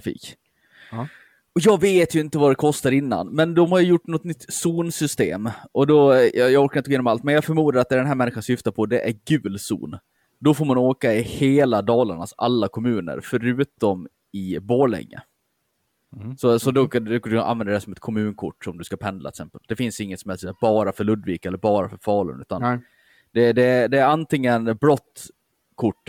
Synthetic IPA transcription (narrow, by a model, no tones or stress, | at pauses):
fḭːk | ɔjɑːɡveːt̪jɵɪnt̪əvad̪ɛkʰɔst̪aɾɪnːa̰nmɛnd̪ɔmhaɾjɵjʊʈːnɔt̪nʏt̪ːsuːnsʏst̪ḛːmʔɔd̪ɔjjɑɡɔɾkaɾɪnəɡojenɔmalt̪mɛnjɑːɡfœɾmuːd̪aɾat̪d̪ɛɖɛnɦæːmɛnːɪɧansʏft̪apʰɔd̪ɛʔæɾɡʉ̟ːlsṵːn | d̪ɔfoːɾmanoːkaɪheːlad̪ɑːlaɳasa̰lːakʰɔmʉ̟ːnə̰ɾfœɾʉ̟ːt̪ɔm | ɪboːɭɛ̰ŋːə̰ | sɔsɔd̪ɔɔd̪a̰nvɛnd̪əɖɛsɔmɛt̪̚kʰɔmʉ̟ːnkʰʊ̰ʈːsɔmd̪ɵskapʰɛnd̪la̰ɛt̪ksɛmpəld̪ɛfɪnsɪŋːət̪sɔmhɛlsɛbɑːɾafœɾɭɵd̪viːkɛlːəɾbɑːɾafœɾfɑːlə̰nʉ̟ːt̪an | d̪̥ɛd̪ɛd̪ɛːɾant̪ɪŋːənbɾɔt̪ː | kʰʊʈː